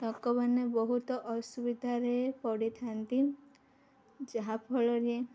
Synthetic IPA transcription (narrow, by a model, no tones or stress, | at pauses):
tɔkɔbanebɔɦut̪ɔʔɔsubid̪ʱaɾepɔɽit̪ʰant̪i | d͡ʒaɦapʰɔɭɔɾie